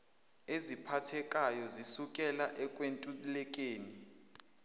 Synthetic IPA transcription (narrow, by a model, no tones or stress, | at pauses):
ezipʰatʰɛkʼajɔzisukʼɛlaʔɛkʼwentʼulɛk̬ʼeːni